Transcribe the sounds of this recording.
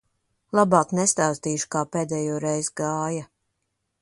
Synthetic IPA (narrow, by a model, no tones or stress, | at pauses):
lˠabaːknɛst̪aːst̪iːʃu̥kaːpeːd̪ɛːjoːɾɛjzɡaːja